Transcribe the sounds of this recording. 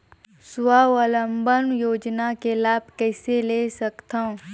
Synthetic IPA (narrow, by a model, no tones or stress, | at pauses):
swaːʋələmbənjoːd͡ʒnakelaːb̚ʱkɛːseleːsɐkt̪ãõ